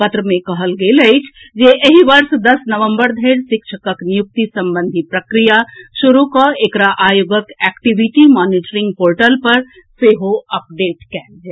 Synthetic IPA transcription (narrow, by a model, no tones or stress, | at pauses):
pɐt̪ɾəmẽkɐɦəlɡeləɪt͡ʃʰ | d͡ʒeʔɐɦiʋɐɾsd̪ɐsnəʋə̃mbəɾd̪ʱeɪɾsɪkʃʰəkəknijuk̚t̪isɐ̃mbə̃nd̪ʱipɾɐkɾijaʃuɾukaekɾaʔaːjoɡəkɛːkʈiʋiʈimɔːniʈəɾɪ̃ŋɡ̚poːɾʈəlpɐɾ | seːɦoɐp̚ɖeːʈkɛːld͡ʒɛː